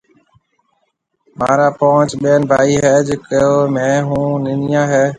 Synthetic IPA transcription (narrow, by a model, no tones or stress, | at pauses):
ma̰ːɾaːpoət͡ʃɓeːnbʱaːiːɦɛːd͡ʒɪkomẽːɦũːnɪnɪjãːɦeː